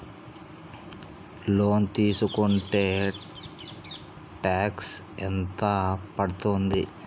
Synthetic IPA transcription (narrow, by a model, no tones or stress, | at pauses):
lo̞ːnt̪iːsukuɳʈe̞ː | ʈaːks | ɛnt̪ɐpɐɽut̪ond̪i